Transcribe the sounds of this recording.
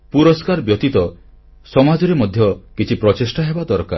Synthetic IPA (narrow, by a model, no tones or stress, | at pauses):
puɾɔskaɾbjɔt̪it̪ɔ | sɔmad͡ʒɔɾemɔd̪ʱjɔkit͡ʃʰipɾɔt͡ʃesʈaɦebad̪ɔɾɔka̰ɾ